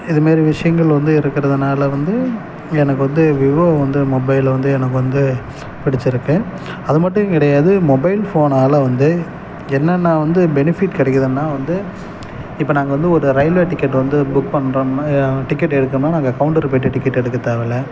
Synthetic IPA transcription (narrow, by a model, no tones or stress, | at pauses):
ɪðɐmaːɾiʋɪʂɐjɐŋɡɐɭʋɐnd̪ɯɪɾɯkːɪɾɐðɯnaːlɐʋɐnd̪ɯ | ɛnɐkːɯʋɐnd̪ɯʋɪʋoːʋɐnd̪ɯmɔbɐɪlʋɐnd̪ɯɛnɐk̬ːɯʋɐnd̪ɯ | pɪɽɪt͡ʃːɪɾɯkːẽː | ɐðɯmɐʈːɯ̃kɪɽɐjaːðɯmɔbɐɪlfoːnaːlɐʋɐnd̪ɯ | ɛnːɐnːaːʋɐnd̪ɯbɛnɪfɪʈkɪɽɐkːɯðɯnːaːʋɐnd̪ɯ | ɪpːɐnaːŋɡɐʋɐnd̪ɯɔɾɯɾɐɪlʋeːʈɪkːɐʈːʋɐnd̪ɯbʊkpɐɳːɾɐmnaʈɪkːɐʈːɛɽɯkːɐmnːaːnaːŋɡɐkɐʋʊɳʈɐɾɯp̬eːʈːɯʈːɪkːɐʈːɛɽɯkːɯt̪ːaːʋɛlɐ